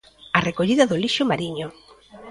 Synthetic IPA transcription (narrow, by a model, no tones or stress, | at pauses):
arekoʎiðɐðoliʃʊmaɾiɲʊ